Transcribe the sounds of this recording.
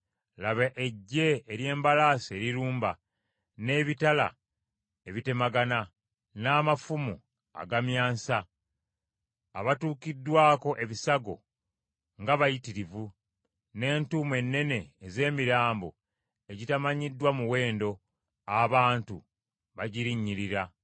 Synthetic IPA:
laβaʔeɟːe̞ːɾje̞ːmbalaːse̞ɾiɾuːmba | ne̞ːβitala̰ | eβite̞maɡana | naːmafumṵ | a̰ɡamjaːnsa | aβatuːkidːwaːko̞ʔe̞βisaɡo̞̰ | ŋɡaβajitiɾivu | ne̞ːntumwe̞nːe̞ne̞ːze̞ːmiɾaːmbo̞̰ | e̞ɟitamaɲidːwamuwe̞ːndo̞ | aβaːntu | βaɟiɾiɲːiɾiɾa

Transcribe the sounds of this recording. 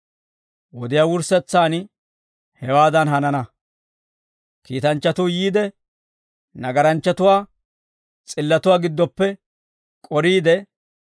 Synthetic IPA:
wɔd̪ɪjaːwʊɾsɛt͡sːaːn | hɛwaːd̪ɐnɦɐnɐnɐ | kiːt̪ɐnt͡ʃːɐt̪ʊjiːd̪ɛ | nɐɡɐɾɐnt͡ʃːɐt̪ʊwaː | t͡sʼɪlːɐt̪ʊwaːɡɪd̪ːɔpːɛ | kʼɔɾiːd̪ɛ

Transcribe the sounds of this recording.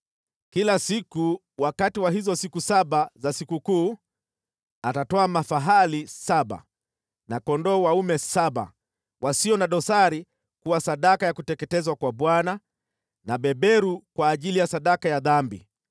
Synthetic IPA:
kilasiku | wakatiwaɦizɔsikusaɓazasikukuː | atatɔamafaɦalisaɓa̰ | nakɔndɔːwaumɛsaɓa̰ | wʔasiɔnaɗɔsaɾi | kuwasaɗakajakutɛkɛtɛzwakwaɓwana | naɓɛɓɛɾukwaːʄilijasaɗakajaðambḭ

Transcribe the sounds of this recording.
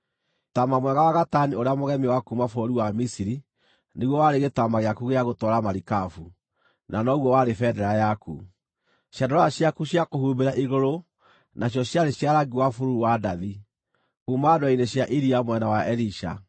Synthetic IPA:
tamamwɛɣawaɣatanioɾeamoɣɛmiwakumafoɾiwamisiɾi | neɣwɔwaɾeɣetamaɣeakuɣeaɣotɔɾamaɾikafu | nanɔɣwɔwaɾefɛdɛɾajakṵ | ɕjandɔɾɔjaɕjakuɕjakoɦuːmbeɾaʔiɣoɾo | naɕ̬jɔɕjaɾeɕjaɾaɡiwafuɾuuwadaði | kumadoaineɕjaʔiɾiamwɛnawaʔɛliʃa̰

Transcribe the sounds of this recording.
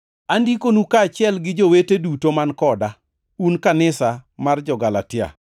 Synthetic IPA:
andikonukaːt͡ʃɪɛlɡɪd͡ʒowetedutomankɔda | unkanɪsamard͡ʒɔɡalatɪa̰

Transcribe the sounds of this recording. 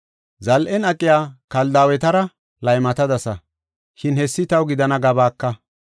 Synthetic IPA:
zɐlʔɛnɐkʼːɪjaːkɐld̪aːwɛt̪ɐɾɐ | lɐjmɐt̪ɐd̪ɐsɐ | ʃɪnhɛsːɪt̪ɐwɡɪd̪ɐnɐɡɐbaːkːɐ

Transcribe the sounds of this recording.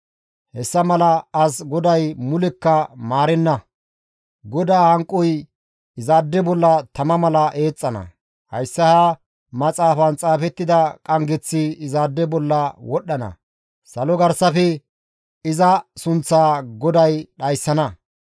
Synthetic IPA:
hɛsːɐmɐlɐɐsɡɔd̪ɐjmʊlɛkːɐmaːɾɛnːɐ | ɡɔd̪aːhɐŋkʼːɔj | ɪzaːd̪ːɛbɔlːɐt̪ɐmɐmɐlɐʔe̞ːt͡sʼːɐnɐ̰ | hɐ̰jsːɐha | mɐt͡sʼaːfɐnt͡sʼaːfɛt̪ːɪd̪ɐkʼɐŋɡɛt͡sːɪɪzaːd̪ːɛbɔlːɐwɔɗːɐnɐ̰ | sɐlɔɡɐɾsɐfɛ | ɪzɐsʊnt͡sːaːɡɔd̪ɐjɗɐjsːɐnɐ

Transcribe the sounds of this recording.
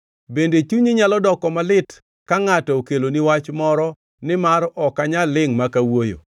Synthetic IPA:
bendet͡ʃuɲiɲalɔdɔkɔmalɪt | kaŋatɔokeloniwat͡ʃmɔɾɔ | nɪmaɾɔkaɲalɪŋmakawojo̰

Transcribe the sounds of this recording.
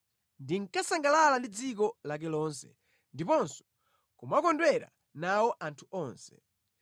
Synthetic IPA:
ndiŋkasaŋɡalalandid͡zikɔlak̬ɛlɔːnsɛ̥̰ | ndipɔnsɔ̥ | kumakɔndwɛɾa̰ | nawɔʔantʰuɔːnsɛ

